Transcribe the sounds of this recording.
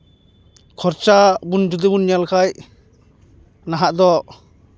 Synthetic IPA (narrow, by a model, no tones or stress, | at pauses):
kʰɔɾt͡ʃabundud̪ɯbunːjalkʰaj | naɦaʔd̪ɔ